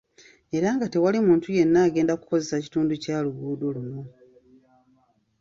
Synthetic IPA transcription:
e̞ɾaŋɡate̞walimuːntuje̞nːaːɡe̞ːndaku̥ko̞ze̞saci̥tuːnducaːluɡuːdoluno

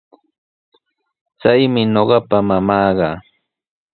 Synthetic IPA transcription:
t͡sajmɪɲoɢɑpamamɑːɢɑ

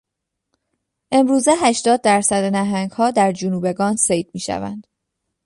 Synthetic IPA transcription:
ʔe̞mɾuːzeɦæʃt̪ɒːd̪̚ːæɾsæd̪enæɦæŋɡhɒːd̪æɾd͡ʒunuːbe̞ɡɒːnsejd̪̚miːʃæ̰væ̰nd̪̥

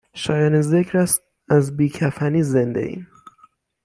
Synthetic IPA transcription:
ʃɒːjɑːnezecʰɾæst̪ | æzbiːcʰæfæniːzend̪e̞̰ʔḭn

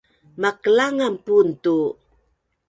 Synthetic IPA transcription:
makəlaŋampuntu

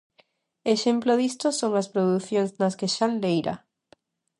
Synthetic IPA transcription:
eʃemploðist̪osoŋɐspɾoðuθjoŋznɐskeʃanlejɾɐ̰

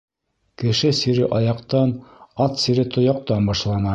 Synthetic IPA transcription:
kɘ̆ʃɘsiɾɘʔɑjɑqt̪ɑnɑt̪siɾɘt̪ŏjɑq̚t̪ɑnbɑʃlˠɑnɑ

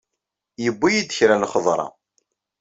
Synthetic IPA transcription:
jəbːijid̪əçɾænχəðˤɾˤɑ̰

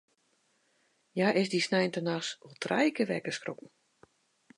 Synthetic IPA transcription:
jaʔɪsdisnɛjntənasolˠtʰrajkəʋɛ̰kəskrokn̩

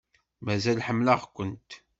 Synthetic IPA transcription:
mæzælħəmːlaʁkʷːənt̪

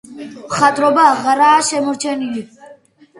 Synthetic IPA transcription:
mχat̪ʼɾɔbaʁɾaːʃɛmɔɾt͡ʃʰɛnili

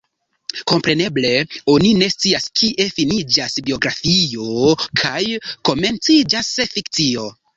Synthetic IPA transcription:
ko̞mpɾe̞ne̞ble̞o̞nine̞st͡siaskʰiʔe̞finid͡ʒasbio̞ɡɾafio̞kʰajko̞me̞nt͡sid͡ʒasfikt͡sio̞

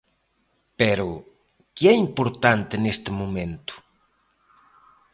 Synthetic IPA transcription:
pɛɾʊ | kɪɛimpoɾt̪ant̪ɪnest̪ɪmumẽnt̪ʊ̥

